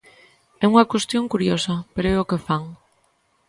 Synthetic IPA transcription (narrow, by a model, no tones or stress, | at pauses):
ɛuŋakwest̪jõŋkuɾjosɐpeɾoɛokefaŋ